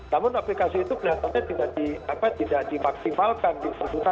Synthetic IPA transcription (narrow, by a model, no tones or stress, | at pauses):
namʊnaplikasiːt̪ubəlat̪aɲat̪idaʔdiapat̪idaʔdimak̚simalkandit̪ərbut̪a